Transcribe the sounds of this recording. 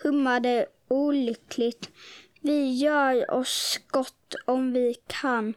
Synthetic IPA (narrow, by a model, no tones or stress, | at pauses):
hɵmːad̪ə | uːlʏkʰlɪɡt̪ | vɪjœːɾɔ̰sɡ̥ɔt̪ːɔmvɪkʰan